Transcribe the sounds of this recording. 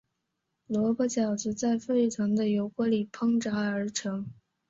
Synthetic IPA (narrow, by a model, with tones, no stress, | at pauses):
lwɔ˧˥pɔ˥t͡ɕjɑ˨˩ʊʈ͡ʂɹ̩˧˥t͡sa˥˧ɪfe˥˩ɪʈ͡ʂʰɤ˧˥ŋd̪ə˧jo˧˥ʊkwɔ˧˥li˨˩pʰɤ˥ŋʈ͡ʂa˧˥ə˞˧˥ʈ͡ʂʰɤ˧˥ŋ